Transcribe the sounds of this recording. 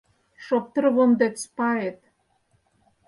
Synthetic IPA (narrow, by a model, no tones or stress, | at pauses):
ʃop̚t̪ə̆ɾβond̪et̪spɑjet̪